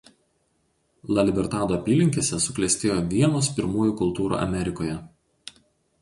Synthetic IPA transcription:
lˠɐlʲɪbʲɛɾt̪ɑːd̪oɐpʲiːlʲɪŋʲkʲeːsʲɛsʊklʲɛsʲt̪ʲeːjoːʋʲiɛnoːspʲɪɾmuːjuːˑkʊlˠt̪uːɾṵːʔɐ̰mʲɛɾʲɪkoːjɛ

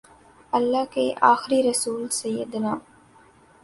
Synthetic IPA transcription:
ɐlːaːkeʔaːxɾiɾɐsuːlsɐjːəd̪naː

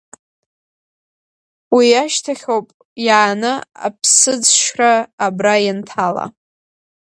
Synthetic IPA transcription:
wiaʃtʰaχʲowpʼ | jaːnɨa̰pʰsɨd͡zʃraːbrajantʰala̰

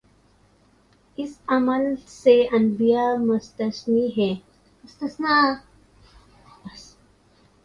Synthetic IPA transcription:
ɪsɐməlseɐnbijamust̪əsniɦe | məst̪ɐsna | bɐs

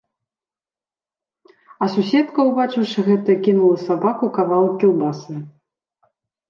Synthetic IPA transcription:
ɐsusʲɛt̪kɐwbat͡ʂɨwʂɨɣɛt̪ɨjɐkʲinulˠɐsabakukavalˠkʲiwbasɨ

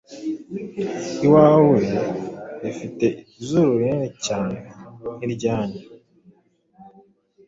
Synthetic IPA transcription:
iwawe | efite̞ʔi | izuɾuɾenecaːneniɾɟaːɲe

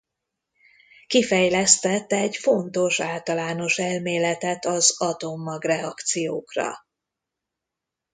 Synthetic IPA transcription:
kifɛjlɛst̪ɛt̪ːɛɟfo̞nt̪o̞ʃaːlt̪ɒlaːno̞ʃɛlmeːlɛt̪ɛt̪ɒzɒt̪omːɒɡrɛɒkt̪sijoːkrɒ̰

